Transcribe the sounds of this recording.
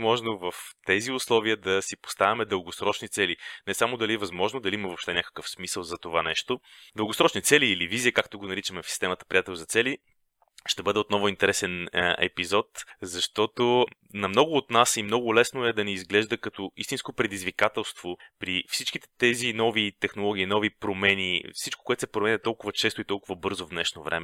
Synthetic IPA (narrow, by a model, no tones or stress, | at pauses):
mɔʒnovəft̪ɛziʊslˠɔviəd̪ɐsipo̥st̪avʲɐmɛd̪əlˠɡosɾɔt͡ʃnit̪sɛlinɛsamod̪ɐliɛvɐzmɔʒnod̪ɐliimɐvopʃt̪ɛnʲakə̥kəfsmisəlˠzɐt̪ovanɛʃt̪od̪əlˠɡosɾɔt͡ʃnit̪sɛliːlivizijəkakt̪oɡonɐɾit͡ʃəmɛfsi̥st̪ɛmət̪ə̥pɾʲijat̪ɛlʲˠzɐt̪sɛli | ʃt̪ɛbɤd̪ɛot̪nɔvʊint̪ɛɾɛsɛnɛ̰pizɔt̪zɐʃt̪ɔt̪o | nɐmnɔɡʊːt̪nasimnɔɡʊlɛsnoɛd̪ɐnɛizɡlɛʒd̪əkɐt̪ɔist̪inskopɾɛd̪izvikat̪ɛlˠst̪vopɾifsit͡ʃk̟it̪ɛt̪ɛzinɔvit̪ɛxnolˠɔɡ̟inɔvipɾomɛnifsit͡ʃko̥koɛt̪osɛpɾomɛnʲɛt̪ɔlˠkʊvət͡ʃɛst̪oit̪ɔlˠkʊvəbɤɾzovd̪nɛʃnovɾʔɛ̰mɛ